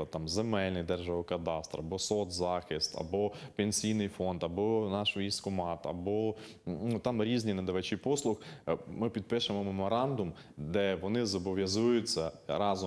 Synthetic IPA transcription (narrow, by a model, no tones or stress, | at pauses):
ɐt̪ɑmzemɛlʲnɪjd̪ɛrʒɐʋɔkɐt̪ɑst̪rɐbɔsɔt̪zɑxɪst̪ɐ̰bɔpenʲsʲijnɪjfɔnd̪ɐbɔnɑʃʊiskʊmɑt̪ɐbɔ | nut̪ɑmɾʲizʲnʲinɐd̪ɐʋɐt͡ʃipɔslˠʊxmɪpʲid̪̚pɪʃɐmɔmemɔɾɑnd̪ʊm | d̪ɛʋɔnɪzɔbɔʋʲjɐzujʊt͡sʲːɐɾɑzɔ